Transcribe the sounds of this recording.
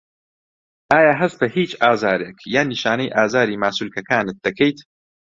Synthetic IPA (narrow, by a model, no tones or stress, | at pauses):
ʔaːjaːɦɐst̪ɐhiːt͡ʃaːzaːɾeːkjaːnːiʃaːnɐjʔaːzaːɾiːmaːsulkɐkaːnɨt̪̚d̪ɐkʰejt̪